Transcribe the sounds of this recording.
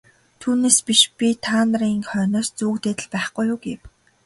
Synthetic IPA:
t̪ʰuːneːspiʃpʲit̪ʰaːnriːŋχœːnɔːst͡suːkt̪eːt̪ɘ̆ɮpæːχɡujʊːɡew

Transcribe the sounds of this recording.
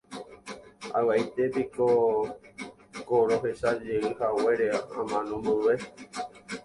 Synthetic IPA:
a̰waʔejt̪epiko | koɾoɦeʃad͡ʒeɨhawe̞ɾeaã̰mãnõmbɨʋe

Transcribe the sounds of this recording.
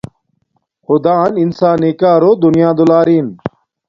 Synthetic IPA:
xʊd̪aːninsaːniːkaːɾoːd̪ʊnjãːd̪olaːɾiːn

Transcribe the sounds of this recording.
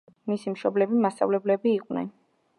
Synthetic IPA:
misimʃɔblɛbimast̪sʼa̰vlɛblɛbiːqʼwnɛ̰n

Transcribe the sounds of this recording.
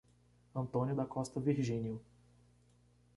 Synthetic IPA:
ɐ̃nt̪õnjʊd̪ɐkɔst̪ɐviɾʒĩnjʊ

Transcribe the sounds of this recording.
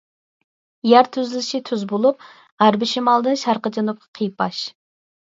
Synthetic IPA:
jæɾt̪ʰyzlɪʃit̪ʰyzbolˠup̚ | æɾbɪʃimɑlˠd̪ɨnʃɑɾqəd͡ʒɑnup̚qʰɑ̥qʰijpɑʃ

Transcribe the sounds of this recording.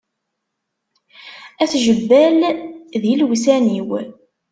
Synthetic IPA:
æθʒəbːælðilwsæniw

